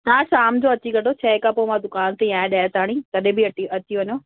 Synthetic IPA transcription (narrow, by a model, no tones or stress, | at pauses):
t̪ãːʃaːmd͡ʑoɐt͡ɕiɡɐʈot͡ɕʰɛːkapomãd̪ʊkaːnt̪ejãːẽɗaːt̪aːɽ̃ĩt̪ɐɗẽbiɐʈiɐt͡ɕiʋɐɲoː